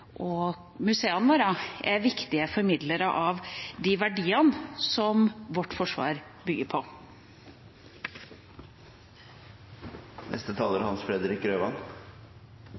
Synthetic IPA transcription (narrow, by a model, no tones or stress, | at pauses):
ʔɔ | mʉseːɑnʋoːɾɑʔæɾʋɪkt̪ɪəfɔɾmɪd̪ləɾəʔɑʋd̪ɪʋæɖiːənsɔmʋɔʈːfɔʂʋɑ̰ːɾbʏɡːəɾpʰɔ | nʔɛ̰st̪ət̪ʰɑːləɾhɑnsfɾɛd̪əɾɪkːɾøːʋɑ̰n